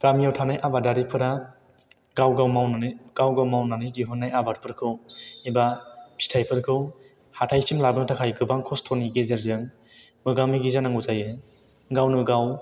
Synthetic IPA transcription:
ɡ̥amijawtʰanajʔabadaɾipʰɯɾa | ɡawɡawmawnaɯɡ̥awɡawmawnanɯɡiɦunːajabaɾ̚pʰɯɾkʰɯwibapʰi̥tʰajpʰɯɾkʰɯw | hatʰajsimlabɯŋtʰakʰajɡɯbaŋkʰɔstʰoniɡezeɾzɯŋ | mɯɡamiɡizanaŋuzaje | ɡawnɯɡaw

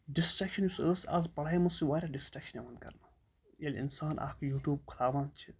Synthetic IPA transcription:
ɖisʈɾɐkʃɐnjusəːsa̰zpɐɽaimɐsiʋaːɾʲaɖisʈɾɐkʃɐneʋɐnd̪̚kɐ̰ɾna | jɐlʲḭnsaːnʔa̰ːkʰjuːʈjuːb̚kʰɐlaːʋaːnt͡ʃʰi

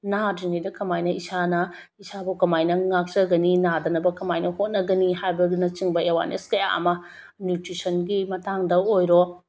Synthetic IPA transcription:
nadiŋijdɐkʰɐmajnɐisanɐ | isabokɐmajnɐŋak̚t͡ʃɐɡɐninadɐnɐbɐkɐmajnɐhot̚nɐɡɐnihajbɐdunɐt͡ʃiŋbɐewa̰nḛskɐja̰ɐ̰mɐ | njutɾisɐnɡimɐtaŋdɐojɾo

